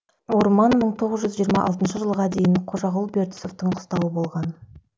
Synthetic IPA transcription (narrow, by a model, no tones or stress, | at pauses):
wo̞ɾmɑnməɴt̪ʰo̞ʁəzʒʏzʒijəɾmɑʔɑ̰lˠt̪ənʃəʒəlˠʁɑd̪e̞jɪnqʰo̞ʒɑʁʊlˠbe̞ɾt̪ɪ̥so̞ft̪əɴqʰʊ̥st̪ɑwəbo̞lˠʁɑn